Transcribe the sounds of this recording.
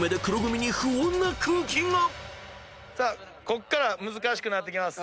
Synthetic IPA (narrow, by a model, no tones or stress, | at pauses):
med̪ekɯ̟ɾoɡɯmʲiɲ̟ihɯõnːakʰɯ̃ŋkʲĩŋɡa | sa | ko̞kːaɾamɯ̟zɨkaɕi̥kɯ̟nat̪̬ːe̞kʲimasɨ̥